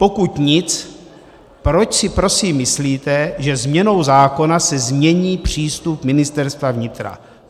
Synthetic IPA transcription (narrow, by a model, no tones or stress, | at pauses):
po̞kut̪ɲɪt͡s | pɾo̞t͡ʃsɪpɾo̞siːmːɪsliːt̪ɛʒɛzmɲɛno̞wzaːko̞nasɛzmɲɛɲiːpr̝̥iːst̪upmɪnɪst̪ɛɾst̪vavɲɪt̪ɾa̰